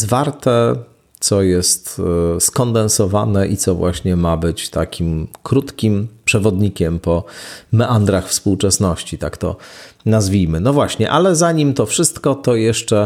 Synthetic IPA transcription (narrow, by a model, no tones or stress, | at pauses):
zvaɾt̪ɛ | t̪sɔjɛst̪skɔnd̪ɛnsɔva̰nɛʔit̪sɔvwʔaɕɲɛmabɘt͡ɕt̪akʲimkɾut̪kʲimpʂɛvɔd̪ɲikʲɛmpɔmɛʔand̪ɾaxfspuwt͡ʂɛsnɔɕt͡ɕit̪akt̪ɔ̰nazvʲijmɘnɔvwaɕɲɛʔalɛzaɲimt̪ɔfʂɘst̪kɔt̪ɔjɛʂt͡ʂɛ